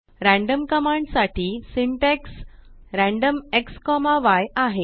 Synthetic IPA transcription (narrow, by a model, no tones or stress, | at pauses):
ɾæ̃ɳɖəmkəmãɳɖsaʈʰiːsiɳʈeksɾæ̃ɳɖəmekskɔmaʋajaɦe